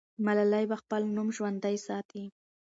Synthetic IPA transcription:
malalajbaxpəlnumʒwand̪ajsɑt̪ʰi

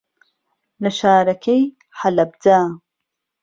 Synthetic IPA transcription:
lɐʃaːɾɐkʰej | ħalɐb̚d̪aː

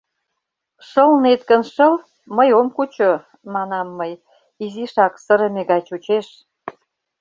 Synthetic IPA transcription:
ʃəlnet̪kənʃəl | məjomkut͡ɕo | mɑnɑmːəj | iziʃɑksəɾə̆meɣɑt͡ɕut͡ɕeʃ

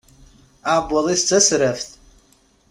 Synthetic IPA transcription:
abwalist͡sʰʼɨsɨɾaftʼ

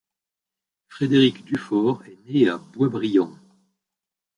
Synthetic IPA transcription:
fχed̪eʁikd̪yfɔʁɛneab̥wabʁijɑ̃

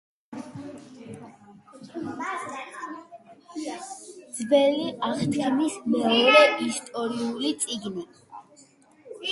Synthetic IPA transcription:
d̪zbɛliaχt̪ʰʼɛmismɔɾɛist̪ʼɔɾiulit̪sʼiɡni

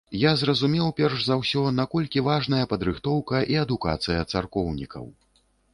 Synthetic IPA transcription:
jazrɐzumʲɛwpʲɛrʂzawsʲɔnakɔlʲkʲivaʐnɐjɐpɐd̪ɾɨxt̪ɔwkɐʔiɐd̪uka̰t̪sɨjɐt̪sarkɔwnʲḭkʰɐ̰w

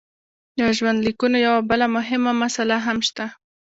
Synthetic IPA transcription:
d̪əʒwand̪likunojawabəlamʊɦɪmamasalaɦamʃt̪a

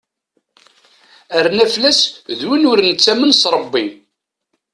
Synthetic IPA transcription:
æɾnæflæsðwinʊɾnət͡sːæmənsɾˤəbːi

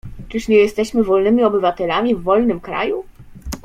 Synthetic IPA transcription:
t͡ʂɘʂɲɛjɛst̪ɛɕmɘvɔlnɘmʲiɔbɘvat̪ɛlamʲivːɔlnɘmkɾa̰ju

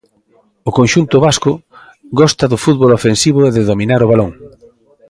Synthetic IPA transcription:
ʊkonʃunt̪ʊβaskʊ | ɡɔst̪ɐðʊfuðβolofensiβʊeðeðomĩnaɾoβaloŋ

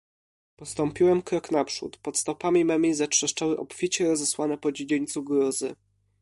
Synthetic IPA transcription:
pɔst̪ɔmpʲiwɛmkɾɔknapʂṵt̪pɔt̪st̪ɔpamʲimɛmʲizatʂɛʂt͡ʂawɘʔɔpfʲit͡ɕɛɾɔzɛswanɛpɔd͡ʑed͡ʑeɲʲt̪suɡɾɔzɘ̰

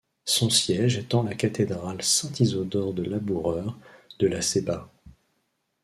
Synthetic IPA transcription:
sɔ̃sjɛʒɛt̪ɑ̃lakat̪ed̪ʁalsɛ̃t̪ʰizɔd̪ɔʁd̪əlabuʁœʁd̪̥əlaseba

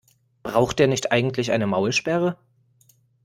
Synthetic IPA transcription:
b̥ʁaʊxt̚d̥eːɐnɪçtʔaɪɡŋ̩tʰlɪçʔaɪnəmaʊlʃpɛʁə

